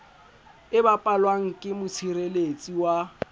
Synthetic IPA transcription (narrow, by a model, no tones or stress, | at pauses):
ɪbapʼalwaŋ̩kʼɪmʊt͡sʰiɾelet͡sʼiwa